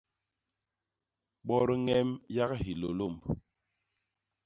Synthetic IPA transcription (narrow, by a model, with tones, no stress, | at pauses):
ɓɔ˦ɾŋɛ˦mja˦kɦi˨lo̰˨lo˦˨m˨b